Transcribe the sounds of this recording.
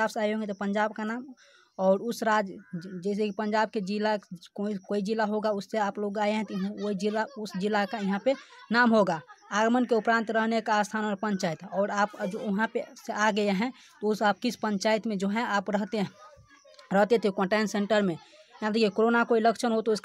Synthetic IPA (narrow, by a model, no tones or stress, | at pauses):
aːbsaːjɦõŋɡet̪ɔpəɲd͡ʒaːbkanaːm | ɔːɾʊsɾad͡ʒd͡ʒɛːs̬ekipə̃ɲd͡ʒaːb̚ked͡ʒilakoikoːid͡ʒilaɦoɡaʊsːeaːploɡaːeɦɛ̃t̪ɔɦoɦid͡ʒilaʊsd͡ʒɪlːakaiɦãpenaːmɦoɡaaːɡmənkeʊpɾãːnt̪ɾəɦnekaast̪ʰaːnɾpə̃ɲt͡ʃaːit̪ɔːɾaːpd͡ʒoʊɦãpeseaɡəeɦɛ̃ | t̪ɔʊsap̚kisʰpəɲt͡ʃaːjt̪mẽd͡ʒoɦɛ̃aːpɾəɦt̪e | ɾəɦt̪et̪ʰikɔ̃ʈẽnsẽɳʈəɾmẽjãd̪ekʰiekoɾonakoiləkt͡ʃʰənɦot̪oʊsk